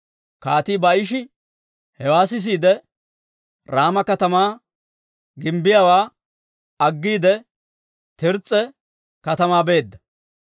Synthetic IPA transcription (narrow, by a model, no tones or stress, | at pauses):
kaːt̪iːbɐʔɪʃ̬ɪ | hɛwaːsɪs̬iːd̪ɛ | ɾaːmɐkɐt̪ɐmaː | ɡɪmbɪjawaː | ɐɡːiːd̪ɛ | t̪ɪɾt͡sʼːɛ | kɐt̪ɐmaːbe̞ːd̪ːɐ̥